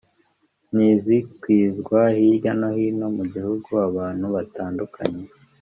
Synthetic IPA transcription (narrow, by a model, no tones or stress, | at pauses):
nizikwiːzɡwahiɾɟanohino̞muɟihuɡuaβaːn̥huβataːndukʰa̰ɲe